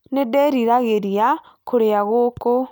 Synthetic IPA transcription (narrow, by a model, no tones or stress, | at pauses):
nedɛɾiɾaɣeɾia | koɾeaɣoko